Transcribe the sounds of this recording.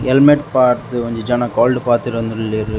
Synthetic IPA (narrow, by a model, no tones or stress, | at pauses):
ɛlmeʈpaːɾt̪ɯʋɐɲd͡ʒɯd͡ʒɐnakoːlɖɯpaːɾt̪ɯʈʋɐnd̪ɯɽɯlːeɾɯ